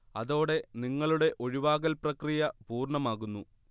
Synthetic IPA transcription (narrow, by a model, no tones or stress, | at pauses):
ɐðo̞ːɽe̞niŋːɐɭuɽe̞ʔo̞ɻiʋaːɣɐlprɐkrijɐpuːrɳɐmaːɣunːu